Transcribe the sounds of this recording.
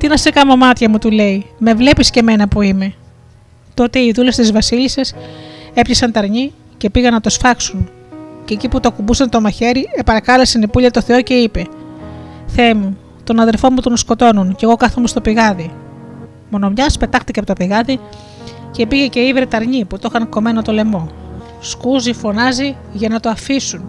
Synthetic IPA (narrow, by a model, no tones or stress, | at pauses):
t̪inɐsekɐmomɐt̪çɐmut̪ule̞ime̞vle̞pisce̞me̞nɐpuime̞ | t̪o̞t̪e̞iðulest̪izvɐsilisɐse̞pçisɐnt̪ɐɾɲi | ce̞piɣɐnːɐt̪o̞sfɐksun | ce̞ːciput̪oɐkumbusɐnt̪o̞mɐçe̞ɾiepɐɾɐkɐlesenipuʎɐt̪o̞θe̞o̞ce̞ipe̞ | θemu | t̪o̞nɐðe̞lfo̞mut̪o̞nsko̞t̪o̞nunce̞ɣo̞kɐθomest̪o̞piɣɐði | mo̞no̞mɲɐspe̞t̪ɐxt̪icepot̪opiɣɐði | ce̞piɣece̞ivɾet̪ɐɾɲiput̪o̞xɐŋko̞me̞not̪o̞le̞mo̞ | skuzifo̞nɐzi | ʝɐnɐt̪o̞ɐfisun